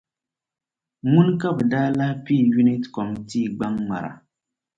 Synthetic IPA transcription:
mu˦nka˦˨bdaː˦la˦hpi˦˨ju˦ni˦tkɔ˨mti˦˨ɡ͡ba˦ŋːa̰˨ɾa̰˨

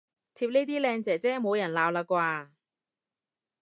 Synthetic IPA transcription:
t̪ʰiː˧p̚neː˥t̪iː˥lɛː˧ŋt͡sɛː˨˩t͡sɛː˥mo˨˧wjɐ˨˩nlaː˨˧wlaː˧kʷwaː˧

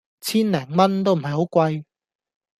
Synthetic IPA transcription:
t͡sʰiː˥nlɛː˨˩ŋmɐ˥nt̪̬o˥wm̩˨˩ɦɐ˨jhɦo˨˥wkʷɐ˧j

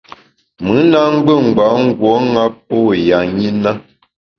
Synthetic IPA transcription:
mɨ˨˦na˦ŋ̩˦ɡ͡bə˦˨ŋ̩˨ɡ͡ba˨˦ŋ̩˦ɡwɔ˨˦ŋa˦p̚o˦˨ja˨ɲi˦na˦

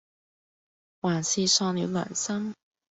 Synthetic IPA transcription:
waː˨˩nsiː˧sɔː˧ŋni˨˥wlœ̰˨˩nsɐ˥ŋ

